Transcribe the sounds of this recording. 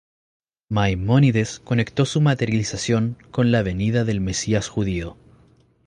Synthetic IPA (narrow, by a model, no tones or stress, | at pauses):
majmoniðesko̞ne̞kt̪o̞sumat̪eɾjalisasjo̞ŋko̞nlaβe̞niðaðelmesiasxuðio